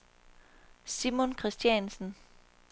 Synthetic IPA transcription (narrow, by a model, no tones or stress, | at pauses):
simonkʰʁɛsd̥jænsn̩